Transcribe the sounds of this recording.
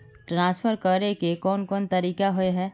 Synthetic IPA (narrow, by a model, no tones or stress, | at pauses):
ʈɾãːsfʰəɾkəɾekekɔːnkɔːnt̪ɐɾiːkaɦʊeɦɛː